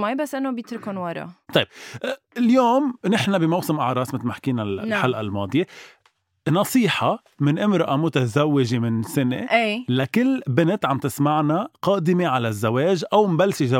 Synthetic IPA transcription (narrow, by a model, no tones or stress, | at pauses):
majbasːʔɪnːobjɪt̪ɾkonwɑɾˤɑ̰t̪ˤɑjb | ljoːmnɪħnabimawsɪmʔaʕɾˤɑːsmɪt̪lmaħkiːnaħalʔalmɑːd̪ˤɨje | nɑsˤiːħɑ | mɪnʔɪmɾɪʔamʊt̪azawːɪʒemɪnsɪnḛʔelakɪlːbɪnɪt̪ʕamt̪ɪsmaʕnaqɑːd̪ɪmeʕalazːaweːʒʔawmbalsiza